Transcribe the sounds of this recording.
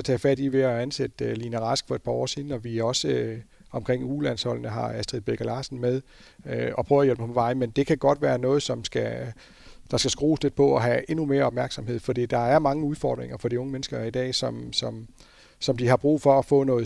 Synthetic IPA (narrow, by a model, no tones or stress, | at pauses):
ɒt͡sʰɛ̰ːfæd̥iʋe̝æænsed̥ølinæʁɑsɡ̥fɒ̽e̝d̚pʰɑ̈ɒ̰ːsiːn̩ɒ̽ʋiɒ̽sə | ɒ̽mkʰʁeŋ̰uːlænshɒ̽l̰nəɦɑ̈æsd̥ʁiðˠb̥eɡ̥ælɑ̈ːsn̩með̞ˠ | øɒ̽pʰʁœːɐjelmə̥pʰɒʋɑ̈ɪnmend̥e̝kʰæɡ̥ɒ̽d̥ʋæːɐnɔ̽ːð̩ˠsɒ̽msɡ̥æ | d̥ɑ̈sɡ̥æsɡ̥ʁṵːsle̝d̥̚pʰɒ̽ɒɦæʔe̝nume̝ːɐɒ̽b̥̚mæɐɡ̥sɒ̽mɦe̝ð̞̰ˠfɒ̽d̥ḭːd̥ɑ̈æɐmɑ̈ŋəuð̞ˠfɒ̰ːd̥ʁeŋɐfɒ̽d̥iɔ̽ŋəmenəsɡ̥ɐid̥ɛ̰ːsɒ̽msɒ̽m | sɒ̽md̥ihɑ̈b̥ʁṵːfɒ̽ːfɔ̰̽ːnɔ̽ːð̩ˠ